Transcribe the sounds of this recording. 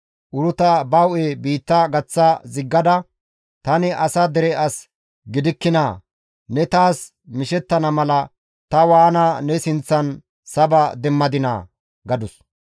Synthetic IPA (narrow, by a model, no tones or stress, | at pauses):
ʔʊɾʊt̪ɐbɐwʔeːbiːt̪ːɐɡɐt͡sːɐzɪɡːɐd̪ɐ | t̪ɐnɪʔɐsɐd̪ɛɾɛʔɐs | ɡɪd̪ɪkːɪnaː | nɛt̪aːs | mɪʃɛt̪ːɐnɐmɐlɐ | t̪ɐwaːnaːnɛsɪnt͡sːɐn | sɐbɐd̪ɛmːɐd̪ɪna̰ː | ɡɐd̪ʊs